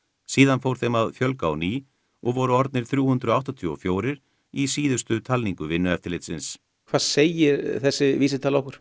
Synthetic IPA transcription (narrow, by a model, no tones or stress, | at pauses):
siːðanfowɾ̥θejmaðfjœlkaːwniː | ɔɣvɔɾʏɔɾt̪̚nɪɾ̥θɾjuːhʏnd̪ɾʏɔawht̪ɔt̪ʰyɔfjoːwɾɪɾ̥ | isiːðʏst̪ʏt̪ʰalniŋkʏvɪnːʏɛft̪ɪlɪjt̪sɪns | kʰvaːðseːjɪɾθɛsːɪviːsɪt̪ʰaːlɔwhkʏɾ̥